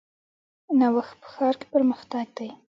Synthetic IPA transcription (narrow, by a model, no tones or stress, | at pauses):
nawaxt̪̚pə̥xɑɾke̥pəɾməxt̪aɡ̚d̪aj